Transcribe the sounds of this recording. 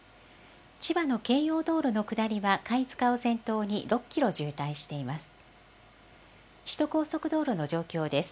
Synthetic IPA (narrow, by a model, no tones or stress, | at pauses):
t͡ɕibano̞ke̞ːjo̞ːd̪o̞ːɾono̞kɯ̟d̪aɾʲiβakait͡sɨ̥kaosẽ̞nt̪o̞ːɲ̟iɾʔo̞kʲːiɾo̞ʑɨːt̪aiɕi̥t̪e̞imasɨ̥ | ɕi̥t̪o̞ko̞ːso̞kɯ̟d̪o̞ːɾono̞ʑo̞ːkʲo̞ːd̪e̞sɨ̥